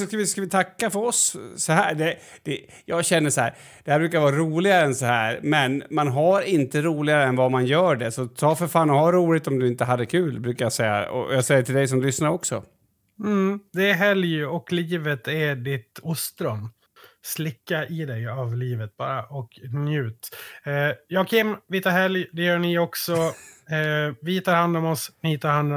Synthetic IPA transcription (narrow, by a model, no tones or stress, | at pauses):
sɔskavɪskavɪt̪ʰakːafœɾɔsːɔɦæːɖɛ | d̪̥ɛ | jɑːɡɕɛnːəʂɔhæːɾ | d̪̥ɛhæɾbɾʉːkaɾvɑːɾɾuːlɪɡaɾəɛnsɔhæːɾmɛnmanɦaɾɪnt̪əɾuːlɪɡaɾəɛnvamanjœːɖɛsɔt̪ʰɑːfœɾfaːnɔɦaɾːuːlɪt̪ɔmd̪ɵɪnt̪əɦad̪ːəkʰʉ̟ːlbɾʉːkajasɛjːa̰ɔ̰jɑsɛjːəʈʰɪld̪ɛjs̬ɔmlʏsnaɾɔksɔ̰ | m̩d̪ɛːɦɛljɔkliːvət̪ɛɖɪt̪ʊst̪ɾœmː | slɪkːaʔɪd̪ɛjavliːvət̪̚bɑːɾaʔɔknjʉ̟ːt̪ː | jɑːɡkʰɪmːvɪt̪ʰɑːɾhɛljd̪ɛjœːɳɪɔksɔ | vɪt̪ʰɑːɾhand̪ɔmɔsnɪt̪ʰɑːɾhand̪ɔ